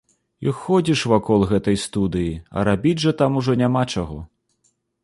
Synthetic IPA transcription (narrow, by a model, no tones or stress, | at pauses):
ixːɔd͡zʲiʂvakɔlˠɣɛt̪ɐjst̪ud̪ɨjiɐ̰ɾabʲid͡zʲʐɐt̪amuʐɔnʲamat͡ʂaɣɔ